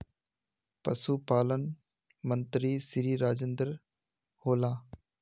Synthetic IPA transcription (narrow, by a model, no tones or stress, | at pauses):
pɐsuːpaːlən | mənt̪ɾiːsɪɾiːɾaːd͡ʒend̪əɾ | hoːlãː